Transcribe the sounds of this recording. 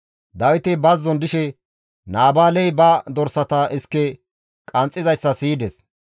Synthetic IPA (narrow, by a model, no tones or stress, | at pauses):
d̪ɐwɪt̪ɪbɐzːɔnd̪ɪʃɛ | naːbaːlɛjbɐd̪ɔɾsɐt̪ɐʔɪskːɛ | kʼɐnt͡sʼːɪzɐjsːɐsiːd̪ɛs